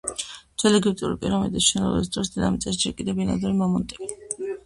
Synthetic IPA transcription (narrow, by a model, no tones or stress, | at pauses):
t̪ʰwɛlɛɡipt̪ʼṵɾipʼiɾɔmḭd̪isʃɛnɔ̰lˠɔ̰bis̬d̪ɾɔsd̪ɛd̪a̰mit̪sʼɛsd͡ʒɛɾkʼid̪ɛbinad̪ɛɾimɔmunt̪ʼɛbi